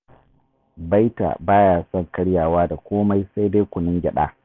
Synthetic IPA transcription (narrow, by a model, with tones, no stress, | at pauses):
ba˦jta̰ː˨baː˦jaː˨sɔ˦˨ŋkɐ˦ɽjaː˨waː˦da˨kʷoː˦ma˦jsa˦jda˦jkʷʊ˨nɪ˦ŋɡʲɛ˨ɗa̰ː˦